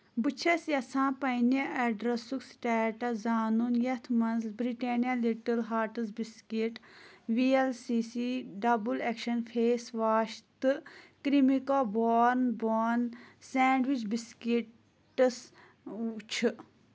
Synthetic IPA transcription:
bɨt͡ʃʰɐsjɐsãːpɐinɐʔɛɖɾɐsuksʈɛːʈɐzaːnunjɐt̪ʰmɐnzlbɾiʈeːnijaliʈɐlɦaːɾʈɨs̬biskiʈʋielsiːsiɖɐbulekʃɐnfʰeːsʋaːʃt̪ɨkɾimikoboːnboːnsɛːɳɖʋit͡ʃbiski | ʈɨs | t͡ʃʰɨ

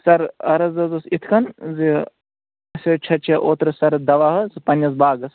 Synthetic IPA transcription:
sɐɾɐɾɐzɐzɐsit̪ʰkɐnzi | ɐsʲɐt͡ʃʰɐt͡ʃʰɐʔoːt̪ɾɨsɐɾd̪ɐʋaːɦɐzipɐnʲːɐs̬baːɡɐs

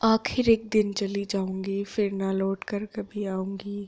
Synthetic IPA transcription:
aːxɪɾeːk̚d̪ɪnt͡ʃɐlid͡ʒaːũːŋɡiːfɪɾnalɔːʈkɐɾkɐbʱiaːũːŋɡiː

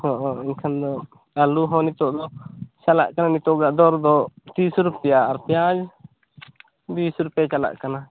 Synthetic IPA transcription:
hɔ̃ʔɔinkʰand̪ɔ | aluɦɔ̃nit̪ɔʔd̪ɔt͡ʃala̰ʔkananit̪ɔʔɡaʔd̪ɔɾd̪ɔt̪isɾupɛjaːɾpjãd͡ʒ | d̪isɾupɛjat͡ʃala̰ʔkana

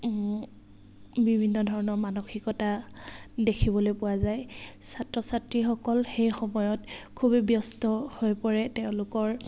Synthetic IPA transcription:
bibʱinːɔdʱɔɹɔnɔɹmanoxikɔta | dekʰibɔlojpʊwazajsatɹɔsatɹixɔkɔlxejxɔmɔjɔtkʰubbjɔstɔhojpɔɹɛtɛʊ̃lʊkɔɹ

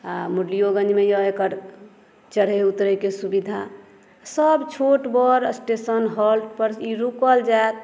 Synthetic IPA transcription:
amuɖlijoɡə̃nd͡ʒmejɔekəɾ | t͡ʃəɽ̤eut̪ɾəkesubid̪ʱa | səbt͡ʃʰoʈbɔɾsʈesənɦɔlʈpəɾiɾukəld͡ʒaek̪̚

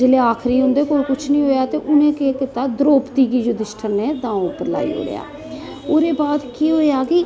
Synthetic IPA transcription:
d͡ʒeleːaːkʰɾiːɦʊ̃nd̪eːkoːlkʊt͡ʃʰnĩːɦoːjaːt̪eːʔʊnẽːkeːkɪt̪aːd̪ɾoːpt̪iːɡiːd͡ʒoːd̪ɪʃʈʰəɾneːd̪ãːoːpəɾla̰ːḭːɦo̰ːɾɪ̰ja̰ː | oːɾeːbaːd̪kiːɦoːjaːkɪ

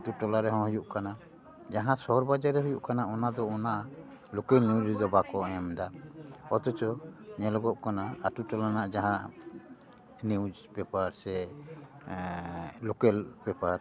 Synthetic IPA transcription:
t̪uʈɔlaɾɛɦɔ̃ɦujuʔkana | d͡ʒaɦãsɔɔɾbad͡ʒaɾɛɦujuʔkanaʔɔnad̪ɔɔnaʔ | lukɛlniwd͡ʒɾid̪ɔbakɔɛmd̪aɔt̪ɔt͡ʃɔɲɛlɔɡɔʔkanaatuʈɔlanaʔd͡ʒaɦãʔ | nid͡ʒbɛpaɾsɛ | lukɛlbɛpaɾ

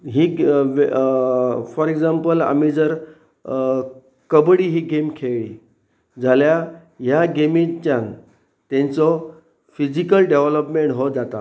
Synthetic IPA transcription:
ɦiːʋ | fɔɾeɡd͡zampəla̰mid͡zəɾ | kəbɽiːɦiːɡemkʰeɭi | d͡zʱalja | jaɡemĩt͡ɕjãn | t̪ẽnt͡sɔ | fid͡ʑikəlɖeʋləpmeɳʈɦod͡zat̪a

